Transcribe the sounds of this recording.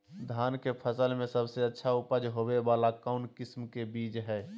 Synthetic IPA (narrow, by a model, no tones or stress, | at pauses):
d̪ʱaːnkepʰəsəlmẽsəbseətːʃʰaʊpəd͡ʒɦoːweʋaːlakɔʊnkɪsmkebiːd͡ʒɦɛː